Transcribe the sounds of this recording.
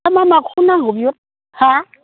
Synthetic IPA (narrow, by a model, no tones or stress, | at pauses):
amamakʰunaŋubo | ha